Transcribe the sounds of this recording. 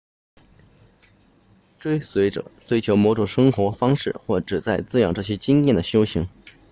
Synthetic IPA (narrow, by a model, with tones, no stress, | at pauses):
ʈ͡ʂwe˥ɪswe˧˥ɪʈ͡ʂɤ̰˨˩t͡swe˥ɪt͡ɕʰjo˧˥ʊmwɔ˧˥ʈ͡ʂu˨˩ʂɤ˥ŋxwɔ˧˥fɑ˥ŋʂɻ̩˥˩xwɔ˥˩ʈ͡ʂɻ̩˨˩t͡sa˥˩ɪt͡sɹ̩˥jɑ˨˩ŋʈ͡ʂɤ˥˩ɕ̬jɛ˥t͡ɕi˥ŋjɛ˥˩nd̪ə˩ɕjo˥ʊɕi˧˥ŋ